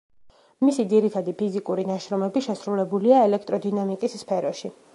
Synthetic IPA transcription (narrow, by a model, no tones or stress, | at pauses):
misid̪ziɾit̪ʰad̪ipʰizikʼuɾinaʃɾɔmɛbiʃɛsɾulɛbuliaɛlɛkʰt̪ʼɾɔd̪inamikʼisːpʰɛɾɔʃi